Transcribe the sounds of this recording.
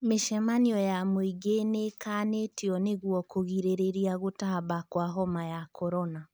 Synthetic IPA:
meʃɛmaniɔjamoiɡenekaːnetiɔneɣwɔkoɣiɾeɾeɾiaɣotaβakwaɦɔmajakʰɔɾɔna

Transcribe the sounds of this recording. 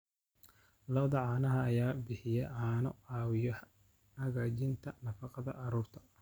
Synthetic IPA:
lɐwðɐʕɑːnɐɦɐːjaːbɪħɪjɛʕaːnɔɑːwɪjɔ | hɐɣaːt͡ʃɪnt̪ʰɐnɐfɑqɑðɐ̰ʔɑɾuːrt̪ʰɐ̥

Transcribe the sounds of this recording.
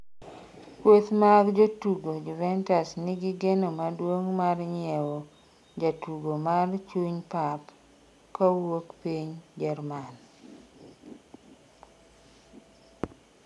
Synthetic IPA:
kwot̪maɡd͡ʒotuɡod͡ʒuvɛntasnɪɡiɡenomadwoŋmarɲɪɛwo | d͡ʒatuɡomart͡ʃuɲpap | kawokpiɲd͡ʒɛrman

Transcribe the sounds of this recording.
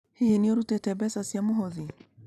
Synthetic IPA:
hiiniɔɾutɛtɛbɛsasiamuɦɔði

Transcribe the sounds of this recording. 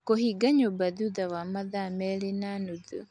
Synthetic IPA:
kohiɡaɲobaðuðawamaðamɛlenanuðṵ

